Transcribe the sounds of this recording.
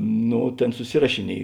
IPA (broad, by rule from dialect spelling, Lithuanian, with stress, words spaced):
ˈnoː ˈtʲeːn sʊˈsʲɪrɐʃʲɪˌnʲiɛj